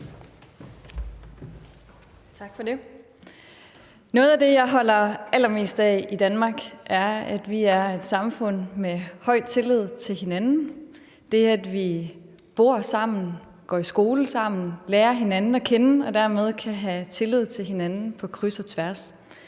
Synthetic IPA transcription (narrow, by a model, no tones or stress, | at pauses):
t͡sʰɑ̈ɡ̥fɒ̽de̝ | nɔ̽ːð̞̩ˠæd̥e̝jɑ̈ɪɦɒ̽l̰ɐʔæl̰ɐme̝̰ːsd̥ɛid̥ænmɑ̈ːɡ̥ʔæɐæd̥ʋiæɐe̝d̥sɑ̈mfɔ̽n̰mehɒ̽ɪ̰d̥̚t͡sʰe̝lið̞̰ˠt͡sʰe̝lhe̝nænn̩ | d̥e̝æɐæd̥ʋi | b̥o̝ɐsɑ̈m̰n̩ | ɡ̥ɒ̰ːisɡ̥o̝ːləsɑ̈m̰n̩leːɐɦe̝nænn̩ɒ̽kʰenəɒ̽d̥æɐ̰með̞ˠkʰæɦæt͡sʰe̝lið̞̰ˠt͡sʰe̝lɦe̝nænn̩pʰɒ̽kʰʁysɒt͡sʰʋæɐ̰s